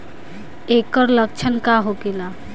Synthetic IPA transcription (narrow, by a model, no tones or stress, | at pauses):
ekəɾlək̚t͡ʃʰənkaɦoɡela